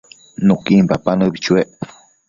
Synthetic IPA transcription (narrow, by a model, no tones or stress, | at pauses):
nukimpapanəbit͡ʃueʔ